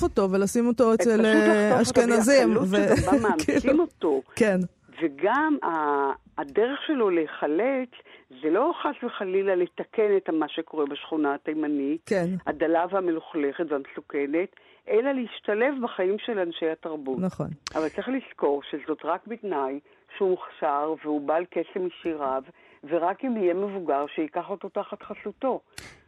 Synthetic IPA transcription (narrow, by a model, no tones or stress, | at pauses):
foto̞velasimo̞to̞eseleaʃkenazimuvemamkiːlsiimotoken | veɡamaː | deʁeχʃe̞lo̞leχalet͡szelo̞χasveχalilaletake̞netalmaʃeko̞ʁebaʃχunaatajmanikenadalavhameluχle̞χetveamesuke̞ne̞t | ʔelaleiʃtale̞vbaχaimʃe̞lanʃejataʁbutnχonavalt͡sʁiχlisko̞ʁʃezo̞tʁakbitnaj | ʃeumuχʃaʁveubaːlkesemiʃiʁav | ve̞ʁakimijeme̞vuɡaʁʃeikaχo̞t̪o̞taχatχaɬuto̞